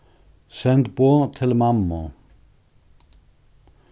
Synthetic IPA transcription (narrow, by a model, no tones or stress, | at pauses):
sɛnd̪b̥oːt̪ʰɪlmɑmːo